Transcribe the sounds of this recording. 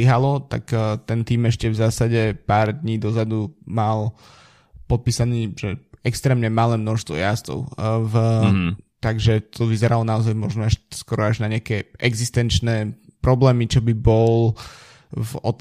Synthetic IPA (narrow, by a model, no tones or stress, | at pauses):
iɦalɔt̪a̰kt̪ɛnt̪iːmɛʃcɛvzaːsaɟɛpaːɾd̪ɲiːd̪ɔzad̪umal | pɔt̪̚piːsaniːʒ̥ɛɛkst̪ɾɛːmɲɛmalɛːmnɔʃst̪ʋɔ̰jast̪ɔ̰ʊv | t̪aɡʒɛt̪ʰɔʋizɛɾalɔnaɔzajmɔ̰ʒnɔaʃskɔɾɔaʒnaɲɪakɛːʔɛɡzist̪ɛnt͡ʃnɛːpɾɔblɛːmit͡ʃɔbibɔl | vɔt̪